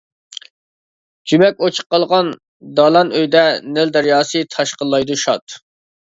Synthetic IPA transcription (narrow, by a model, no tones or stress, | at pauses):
d͡ʒymɛk̚ʲot͡ʃʰə̥qːɑlˠʁɑn | d̪ɑlˠɑnøjd̪ɛnɪld̪ɛɾjɑːsɨt̪ʰɑʃqəlˠːɑjd̪uʃɑt̪